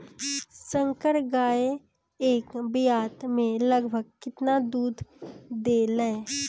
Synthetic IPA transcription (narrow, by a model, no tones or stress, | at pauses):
sə̃ŋkəɾɡaːe | eːkbɪjaːt̪mẽləɡbʱəɡ̚kɪt̪nad̪uːd̪ʱd̪eːləe